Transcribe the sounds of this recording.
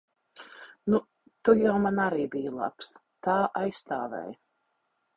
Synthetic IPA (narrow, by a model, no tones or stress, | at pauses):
nu | t̪ujawmanaɾiːbijlˠa̰ps | t̪aːʔajsːt̪aːvɛ̰j